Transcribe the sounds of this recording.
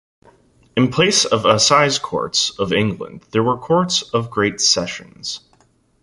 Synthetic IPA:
ɨ̃npʰl̥eɪsʌvəsaɪz̥kʰɔ̰ɹtsʌvɪ̃ŋɡlə̰̃nd̪ðə˞wə˞kʰɔɹtsʌvɡɹeɪtsɛʃɨ̰̃nz̥

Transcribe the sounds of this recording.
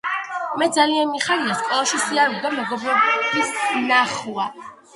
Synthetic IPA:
mɛd̪zalianmiχaɾiaskʼɔlˠaʃisiaɾɔɡd̪amɛɡɔbɾɔbisnaχua

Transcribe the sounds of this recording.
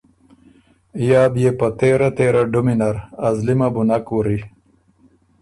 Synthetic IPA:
jaːb̪jepɐt̪eːɾat̪eːɾaɖuminɐɾɐzlimabunakuɾi

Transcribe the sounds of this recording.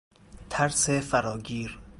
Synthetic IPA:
t̪ʰæɾsefæɾɒːɡiːɾ

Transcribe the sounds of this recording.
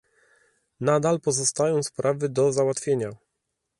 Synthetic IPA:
nad̪alpɔzɔst̪ajɔ̃w̃spɾavɘd̪ɔzawat̪fʲjeɲa

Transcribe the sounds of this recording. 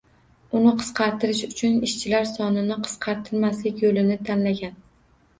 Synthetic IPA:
ʊnɪqʰɨ̥sqʰɑɾt̪ɪɾɪʃʊt͡ʃʰʊnɪʃt͡ʃʰɪlaɾsɒnɪnɪqʰɨ̥sqʰɑɾt̪ʰɪɾmaslɪkʲjolɪnɪt̪ʰanlaɡʲan

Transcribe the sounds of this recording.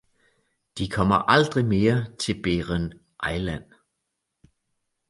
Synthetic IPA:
d̥ikʰɒ̽m̰ɐʔɑ̈ld̥ʁime̝ːɐt͡sʰe̝lb̥eːʁən | ʔɑ̈ɪlæn̰

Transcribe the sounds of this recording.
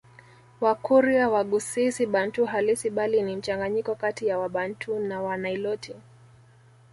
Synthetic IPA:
wakuɾiawaɠusisiɓan̩tuɦalisiɓalinim̩t͡ʃaŋɡaɲikɔkatijawaɓantʰunawanailɔtʰi

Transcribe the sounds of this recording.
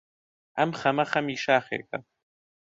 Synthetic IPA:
a̰mχamaχamiːʃaːχḛːkʼa̰

